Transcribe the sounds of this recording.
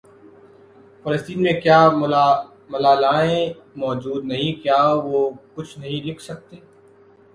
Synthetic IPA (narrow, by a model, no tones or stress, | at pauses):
fɐləst̪iːnmẽkjaː | mɐlaːlaːẽ | mɔːd͡ʒuːd̪nɐɦĩkjaːʋokʊt͡ʃʰnɐɦĩlɪkʰsɐk̚t̪eː